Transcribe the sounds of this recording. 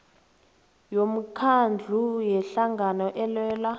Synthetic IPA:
jom̩kʰand͡ɮʱujɛɬaŋɡʱanɔʔɛlwɛːla

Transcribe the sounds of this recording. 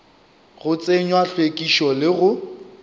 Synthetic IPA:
ɣʊt͡sʼeɲwaɬwekʼiʃɔlɪɣʊ

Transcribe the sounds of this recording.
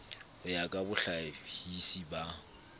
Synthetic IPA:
ʊjakʼabʊɬahisiba

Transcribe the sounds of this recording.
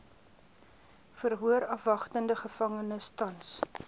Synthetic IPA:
fərɦuəɾɐfvɐχtəndəχəfɐŋənəstɐns

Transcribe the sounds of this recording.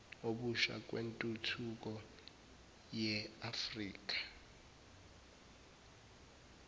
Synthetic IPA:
oɓuʃa̰k̬ʼwentʼutʰuk̬ʼɔ | jɛafriːk̬ʼḁ

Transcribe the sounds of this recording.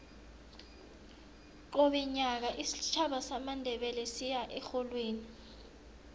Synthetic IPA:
ǃoɓɛɲak̬aʔisit͡ʃʰaɓasamandʱɛɓɛlɛsijaʔɛxolweːni

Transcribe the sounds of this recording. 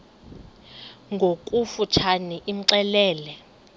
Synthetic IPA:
ŋɡʱokʼufut͡ʃʰaniʔim̩ǀɛlɛːlɛ

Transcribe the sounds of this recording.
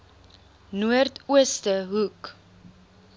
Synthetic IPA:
nuərtuəstəɦuk

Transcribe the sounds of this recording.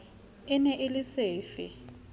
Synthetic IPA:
ɪnɛʔɪlɪseːfɪ̰

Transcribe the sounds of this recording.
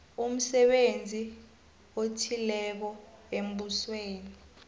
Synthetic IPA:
um̩sɛɓend͡zʱi | otʰilɛk̬ɔem̩ɓusweːni

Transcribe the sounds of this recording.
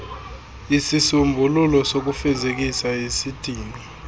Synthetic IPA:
isisumbʱululɔsok̬ufɛzek̬isaesid̥ʱiːni

